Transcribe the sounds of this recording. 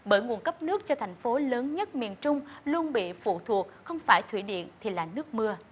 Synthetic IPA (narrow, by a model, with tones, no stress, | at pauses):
ɓəː˧˩jŋu˨˩ənkə˦˥p̚nɨ˦˥ək̚t͡ɕɔ˧t̪ʰjŋ̟fo˨˦ləː˨˦nɲə˦˥t̚mi˨˩ənt͡ɕʊ˧ŋ͡mlu˧ənɓḭ˧˨fṵ˧˨t̪ʰu˨˩ək̚xə˧wŋ͡mfaː˧˩jt̪ʰwi˧˩ɗḭ˧˨ənt̪ʰi˨˩laː˨˩nɨ˦˥k̚mɨ˧ə